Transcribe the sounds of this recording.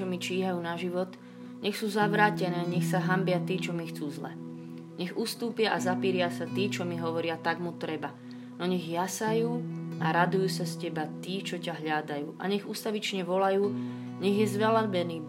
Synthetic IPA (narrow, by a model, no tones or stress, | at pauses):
ɔmit͡ʃiːɦajuːnaʒiʋɔt̪ | ɲɛxsuːzaʋɾaːcɛnɛːɲɛxsaɦambɪat̪iːt͡ʃɔmixt͡suːzlɛ̰ | ɲɛɣust̪uːpɪaʔazapiːɾɪasat̪iːt͡ʃɔmiɦɔʋɔɾɪat̪aɡmut̪ɾɛba | nɔɲɛɣjasajuːaɾad̪ujuːsascɛbat̪iːt͡ʃɔcaɦʎad̪ajuːʔa̰ɲɛɣust̪aʋit͡ʃɲɛʋɔlajuː | ɲɛɣjɛzʋɛlabɛniː